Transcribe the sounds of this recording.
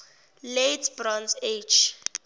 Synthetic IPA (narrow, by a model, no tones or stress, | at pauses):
letʰbrɔnsed͡ʒ